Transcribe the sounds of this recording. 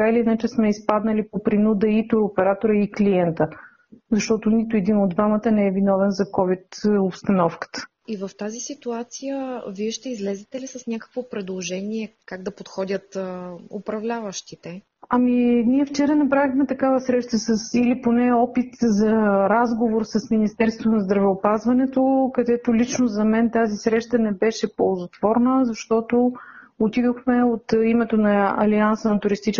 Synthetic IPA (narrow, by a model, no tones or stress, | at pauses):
ailiinat͡ʃɛsmɛispad̪nəlipopɾinud̪əit̪ʊɾopɛɾat̪oɾəikliɛnt̪ə | zɐʃt̪ɔt̪ʊnit̪ʊɛd̪inod̪vamət̪ənɛɛvinɔvɛnzɐkɔvit̪opst̪ɐnɔfkə̥t̪ə̥ | ivəft̪azisit̪uat̪sijəviɛʃt̪ɛizlɛzɛt̪ɛlisɐsnʲakə̥kvopɾɛd̪lˠoʒɛniɛkaɡ̚d̪ɐpot̪xɔd̪ʲət̪ʊ̰pɾɐvlʲavəʃt̪it̪ɛ | ɐminiɛft͡ʃɛɾənɐpɾavixmɛt̪ɐkavəsɾɛʃt̪əsəsiliponɛɔpit̪zɐɾazɡovoɾsɐsminist̪ɛɾst̪vonɐzd̪ɾɐvɛopazvɐnɛt̪okɐd̪ɛt̪ʊlit͡ʃnozɐmɛnt̪azisɾɛʃt̪ənɛbɛʃɛpolˠzot̪v̥ɔɾnəzɐʃt̪ɔt̪o | ot̪id̪oxmɛot̪imɛt̪onɐɐ̰liansənɐt̪ʊɾist̪it͡ʃ